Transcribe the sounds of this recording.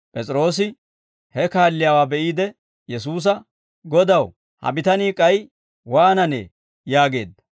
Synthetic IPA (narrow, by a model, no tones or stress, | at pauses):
pʼɛt͡sʼɾo̞ːsɪ | hɛkaːlːɪjaːwaːbɛʔiːd̪ɛ | jɛsuːs̬ɐ | ɡɔd̪ɐw | hɐ̰bɪt̪ɐniːkʼɐj | waːnɐnḛː | jaːɡe̞̰ːd̪ːɐ̥